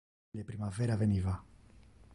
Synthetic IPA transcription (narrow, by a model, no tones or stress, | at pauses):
epɾimaveɾaveniva